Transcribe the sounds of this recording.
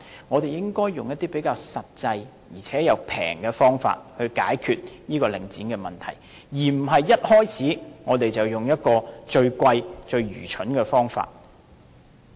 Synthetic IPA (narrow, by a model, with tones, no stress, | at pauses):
ŋɔː˨˧t̪e˨jɪ˥ŋkɔː˥jːʊ˨ŋjɐ˥t̪ːiː˥pe˨˥jkaː˧wsɐ˨t̚t͡sɐ˧j | jiː˨˩t͡sʰɛː˨˥jɐ˨˧wpʰɛ̰ː˨˩ŋkɛ˧fɔː˥ŋfa̰ː˧t̚hɵ˧ɥka̰ː˨˥jkʰyː˧t̚niː˥kɔː˧lɪ̰˨˩ŋt͡siː˨˥nkɛː˧mɐ˨nt̪ʰɐ̰˨˩j | jiː˨˩m̩˨˩ɦɐ˨jːɐ˥t̚hɔː˥jt͡sʰiː˨˥ŋɔː˨˧t̪e˨jt͡sɐ˨wjʊ˨˩ŋjɐ˥t̚kɔː˧t͡ʃɵ˧ɥkʷɐ˧jt͡ʃɵ˧ɥɥy̰ː˨˩t͡ʃʰɵ˨˥nkɛ˧fɔː˥ŋfa̰ː˧t̚